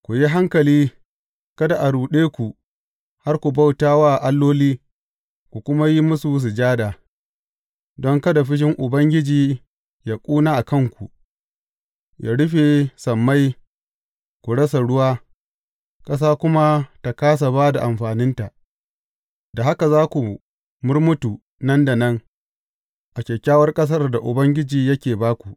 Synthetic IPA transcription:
kʷu˨ji˦ɦa˦ŋkɐ˨liː˦ | kɐ˦da˨ʔa˨ɽuː˨ɗeː˦kʷu˨ | ha˦rkʷu˨ba˦˨wtaː˦waː˦˨ʔa˦lːoː˦liː˦ | kʷu˨kʷʊ˦ma˦ji˦mʊ˦su˨˦s̬ʊ˨d͡ʒaː˦daː˨ | dɔ˦ŋkɐ˦da˨ɸɪ˦ʃ̬ɪ˦ŋʔʊ˨bɐ˦ŋɡʲɪ˦d͡ʒiː˨ | jaː˦kʷʼuː˦naː˦ʔa˨kɐ˦ŋkʷu˨ | jʔa̰ː˦ɽʊ˦ɸe˨sɐ˨mːa˦j | kʷu˨ɽɐ˦sa˨ɽʊ˦waː˦ | kʼɐ˦s̬aː˦kʷʊ˦ma˦ta˨kaː˦s̬a˨baː˦da˨ʔa˨mɸaː˨nɪ˦nta˨ʔ | da˨ɦa˦ka˨zaː˦kʷu˨ | mʊ˦rmʊ˦tu˨ | nɐ˦nda˨nɐ˦ŋ | ʔa˨kʲɛ˨kʲːaː˦wɐ˦rkʼɐ˦s̬ɐ˦rda˨ʔʊ˨bɐ˦ŋɡʲɪ˦d͡ʒiː˨jɐ˦kʲeː˨baː˦kʷu˨

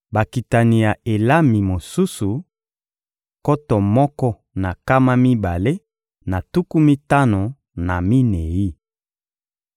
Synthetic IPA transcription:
ba˨ki˨ta˨ni˨ja˨e˨la˦mi˨mo˨su˦su˨ | kɔ˦tɔ˨mɔ˦kɔ˦ | na˨ka˦ma˦mi˦ba˨le˦ | na˨tu˦ku˦mi˦ta˦no˨ | na˨mi˦ne˨ji˦

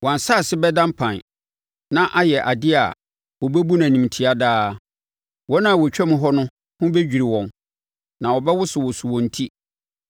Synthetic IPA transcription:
wɔ̃˨n˨sa˦˨sɪ˦bɛ˦dã˦mpʰã˨n˨ | nã˦ʔa˦jɛ˨ʔa˨dɪ˦a̰˨ | wɔ˨bɛ˦bu˦nã˨nĩ˨m˨tʰi˨a˦daː˦ | wɔ̃˦nã˦˨wɔ˨t͡ɕᶣɛ˦mɪ̃˦ɦɔ˦nʊ̃˦ | hʊ̃˦be˦d͡ʑᶣi˨ɾi˨wɔ̃˨n | nã˨wɔ˨bɛ˦wʊ˦sɪ˨wɔ˨su˨wɔ̃˨n̩˨tʰi˦

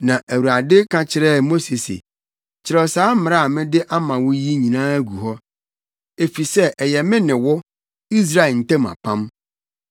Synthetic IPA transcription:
nã˨ʔæ˨wu˨ɾa˨dɪ˦kʰã˨t͡ɕʰɪ˨ɾɛ˦˨mo˦se˨sḛ˨ | t͡ɕʰɪ˨ɾɛ˨saː˨˦m̩˦m˨ɾa˦˨mɪ̃˦dɪ˦ʔa˦mã˨wʊ˦ji˦ɲĩ˨nãː˦æ˦ɡu˨ɦɔ˦ | e˨fi˨sɛ˦ʔjɛ˨mɪ̃˦nɪ̃˨wɔ˦ | i˦s̬ɾa˦˨n̩˨tɛ̃˦ma̰˨pʰã˦m

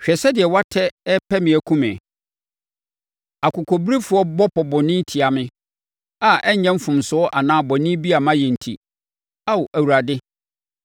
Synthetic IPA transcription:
ɕᶣɛ˨sɛ˦dɪ˨ɛ˨wa˦tʰɛ˦ɛ˦pʰɛ˦mɪ̃˨æ˨kʰũ˦mɪ̃˨ | a˨kʊ˨kʰɔ˨bɾi˦fʊ˨˦ɔ˦bɔ˦pʰɔ˨bɔ˨nɪ̃˦n̩˦tʰi˨a˨mɪ̃˦ | a˨ɛ˦ɲɛ̃˦m̩˦fʊ̃˨msʊ˦ɔ˦ʔa˨nãː˦bɔ˨nɪ̃˦bi˦a˨mã˦jɛ˨n̩˨tʰḭ˨ | a˦wʔæ˨wu˨ɾa˨dɪ˦

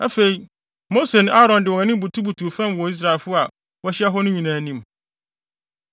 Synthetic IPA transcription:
æ˦fe˨i˨ | mo˦se˨ñ˦aː˦ɾɔ̃˨ndɪ˨wɔ˨ɛ̃˨nɪ̃˦bu˨tʰu˦bu˨tʰu˨fã˦˨m˨wɔ˨i˦s̬ɾa˨ɪ˨lfʊ˦a˨ | wɔ˦ɕɪ˦a˦ɦɔ˦nʊ̃˦ɲĩ˨nãː˨˦nĩ˦m

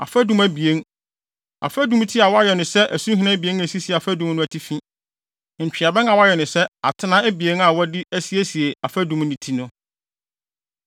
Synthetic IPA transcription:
a̰˨fæ˦dũ˦mæ˨bi˨e˦n | a̰˨fæ˦dũ˦m˦tʰi˦a˨wɔ˦a˦jɛ˨nʊ̃˨sɛ˦ʔæ˨sũ˦ɦi˨nã˦bi˨e˦næ˨si˦si˨a˨fæ˦dũ˨m˦nʊ̃˦æ˨tʰi˦fĩ˦˨ | ɲ̩˨t͡ɕᶣɪ˨a˨bɛ˦a˨wɔ˦jɛ˨nʊ̃˨sɛ˦a˨tʰɪ˦nã˦æ˦bi˨e˦na˨wɔ˦dɪ˦æ˦si˦e˦si˨e˨a˨fæ˦dũ˨mnĩ˨tʰi˦nʊ̃˦

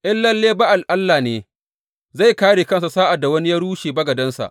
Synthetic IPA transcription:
ʔɪ˦nlɐ˦lːeː˦ba˦ʔa˨lʔa˦lːaː˨neː˨ | za˦˨jkaː˦ɽeː˨kɐ˦ns̬a˨saː˦ʔa˨dːa˨wɐ˦ni˦jɐ˦ɽuː˦ʃeː˨bɐ˦ɡɐ˨dɐ˦nsa̰˨ʔ

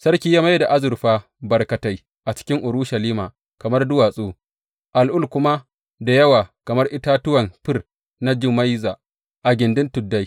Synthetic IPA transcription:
sɐ˦rkʲiː˦jaː˦ma˦jda˨ʔa˦zʊ˨rɸaː˦ | bɐ˨rkɐ˨ta˦j | ʔa˨t͡ʃɪ̥˦kʲɪ˦ŋʔʊ˨ɾʊ˦ʃɐ˨liː˦maː˨ | kɐ˨mɐ˦rdʊ˦waː˨sʼoː˦ | ʔa˨lʔʊ˦˨lkʷʊ˦ma˦ | da˨jɐ˦waː˨kɐ˨mɐ˦rʔɪ˦ta˦tʊ˦wɐ˨mɸɪ˦r | na˦d͡ʒɪ˦ma˦jzaː˨ | ʔa˨ɡʲɪ˨ndɪ˦ntʊ˨dːa˦j

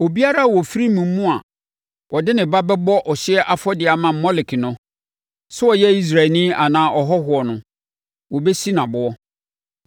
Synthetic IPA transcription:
o˨bi˦a˦ɾa˦˨wɔ˨fi˦ɾi˦mũ˨m̩˦mũ˦a˨ | wʔɔ˨dɪ˦nɪ̃˨ba˦bɛ˦bɔ˦ʔɔ˨ɕɪ˦ɛ˦ʔa˦fɔ˦dɪ˨a˨mã˨m̩˨mɔ˦lɪ˨kʰi˨nʊ̃˦ | sʊ˦ɔ˨jɛ˦i˦s̬ɾa˨nĩ˦a˨nãː˦ʔɔ˨ɦɔ˦ɦʊ˨˦ɔ˨nʊ̃˦ | wɔ˨be˦si˦nã˨bʊ˨ɔ˦

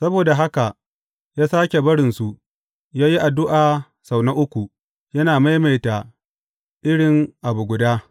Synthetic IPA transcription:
sɐ˦boː˨da˨ɦa˦ka˨ʔ | jaː˦saː˦kʲe˨bɐ˦ɽɪ˨nsu˨ʔ | jaː˦ji˦ʔa˨dʊ˦ʔaː˨ | sa˨wna˦ʔʊ˦kʷu˨ | jɐ˦naː˨ma˦jma˨jta˨ | ʔɪ˦ɽɪ˨ŋʔa˨bu˨ɡʷʊ˨daː˦

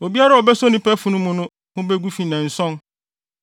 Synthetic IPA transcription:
o˨bi˦a˦ɾa˦ɔ˨bɛ˦sɔ˦nĩ˦pɛ˦fʊ̃˨nʊ̃˦mʊ̃˦nʊ̃˦ | hʊ̃˦bɛ˦ɡu˦fi˨nã˨n̩˨sɔ̃˦n

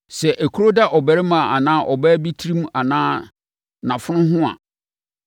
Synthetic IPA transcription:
sɛ˨ʔæ˨kʰu˦ɾo˦da˦ʔɔ˨bæ˨ɾɪ˦mã˨a̰˨nãː˦ʔɔ˨bæː˦bi˦tʰi˦ɾĩ˦m˦a˨nãː˦ | nã˨fʊ˦nʊ̃˦ɦʊ̃˦a̰˨

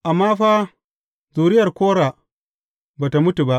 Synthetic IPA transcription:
ʔa˨mːaː˦ɸaː˦ | zuː˨ɾɪ˦jɐ˨rkʷoː˦ɾaː˨ | baː˨ta˨mʊ˦tu˨ba˦ʔ

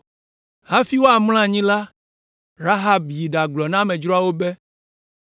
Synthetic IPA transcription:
ɦa˦fi˦wo˦a˨ml̃ã˦˨ɲĩ˦la˦ | ɾa˦ɦa˦bji˨ɖa˨ɡ͡blɔ˨nã˦mɛ̃˨d͡ʒɾɔ˦a˨wo˦bɛ˦

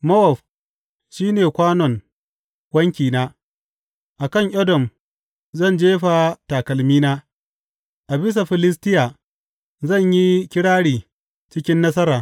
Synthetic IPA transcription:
mɐ˦wɔ˨ɸ | ʃiː˦neː˨kʷaː˦nɔ˨ŋ | wɐ˦ŋkʲiː˨naː˦ | ʔa˨kɐ˦˨ŋʔɐ˦dɔ˨m | zɐ˦˨nd͡ʒeː˦ɸa˨taː˨kɐ˨lmiː˦naː˦ | ʔa˨bɪ˦s̬a˨ɸɪ˨lɪ˦s̬tɪ˦ja˨ | zɐ˦˨ɲji˦kʲɪ˦ɽaː˦ɽiː˨ | t͡ʃɪ˦kʲɪ˦nːɐ˦s̬ɐ˦ɾaː˨

